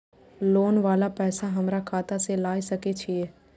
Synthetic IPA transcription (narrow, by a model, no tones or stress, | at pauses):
loːnʋaːlapɛːsaɦɐmɾakʰaːt̪aselaːisɐket͡ʃʰieː